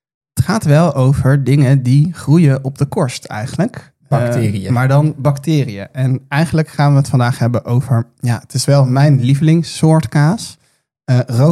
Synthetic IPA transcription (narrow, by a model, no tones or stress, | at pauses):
ətχaːtʋɛlˠowvəɹdɪŋədiχrujəʔɔb̚dəkɔɹstɛ̰jχənlək | btːriəmaːɹdɑnbɑktɪːrijə̰ʔɛnɛjχənləkχaːnʋəɦətfɑndaːχɦɛbənʔowvəɹ | ja̰ːətɪsʋɛlˠmɛjnlivlɪŋsːʊːɹtkaːs | əro